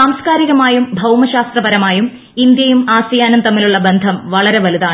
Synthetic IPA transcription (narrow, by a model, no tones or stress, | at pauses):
saːmskaːɾiɣɐmaːjumbʱɐwmɐɕaːst̪rɐbɐɾɐmaːjum | ind̪jɐjumaːsɐjaːnumt̪ɐmːiluɭːɐbe̞nd̪ʱɐmʋɐɭɐɾe̞ʋɐliðaːɳ